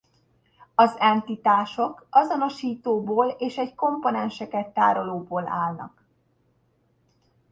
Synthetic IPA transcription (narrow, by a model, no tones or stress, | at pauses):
ɒzɛnt̪it̪aːʃo̞kɒzo̞no̞ʃiːt̪oːboːleːʃɛɟko̞mpo̞nɛnʃɛkɛt̪ːa̰ːɾo̞loːboːla̰ːlnɒ̰k